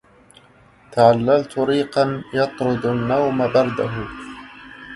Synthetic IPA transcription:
t̪aʕalːalt̪ʊɾiːqɑnjɑt̪ˤɾʊd̪anːawmabɑɾˤd̪aɦʊ

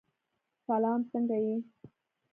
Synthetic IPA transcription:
salɑːmt͡səŋɡaji

